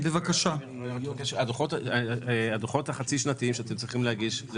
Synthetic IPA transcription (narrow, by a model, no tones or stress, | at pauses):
bevakaʃa | ojaokeʃad̪oχot | ad̪oχo̞t̪haχat͡siʃnat̪iimʃeat̪emt͡sʁiχimlehaɡiʃz